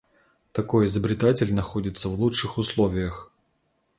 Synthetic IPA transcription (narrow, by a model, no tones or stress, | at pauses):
t̪ɐko̞jɪzəbɾʲɪt̪atʲɪlʲnɐxodʲɪt̪səvlˠuʂɨxʊslˠovʲɪjəx